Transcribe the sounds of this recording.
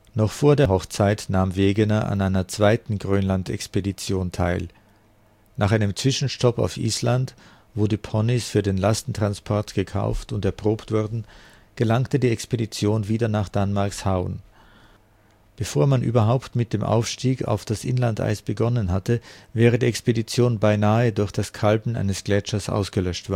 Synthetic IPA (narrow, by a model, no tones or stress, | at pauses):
nɔχfoːɐdeːɐɦɔχt͡saɪtnaːmveːɡənɐʔa̰naɪnɐt͡sv̥aɪtn̩ɡʁøːnlantɛ̰kspedit͡sjoːntʰaɪl | naːχaɪnəmt͡sv̥ɪʃn̩ʃtɔpa̰ʊfʔḭːslant | voːdiːpʰɔnɪsfyːɐdeːnlastn̩tʁ̥anspʰɔɐtɡ̥əkʰa̰ʊftʊntɛɐpʁ̥oːptv̥ʊɐdn̩ | ɡ̥əlaŋktədiːɛkspedit͡sjoːnviːdɐnaːχd̥anmaɐkshaʊən | b̥əfoːɐmanʔy̰ːbɐɦaʊptmɪt̚d̥eːmʔa̰ʊfʃtiːka̰ʊfd̥asʔɪnlantʔa̰ɪsb̥əɡɔnənɦatəvɛːʁədiːɛkspedit͡sjoːnbaɪnaːədʊɐçd̥askʰalbn̩ʔa̰ɪnəsɡ̥lɛt͡ʃɐsʔa̰ʊsɡ̥əlœʃtv̥aːɐ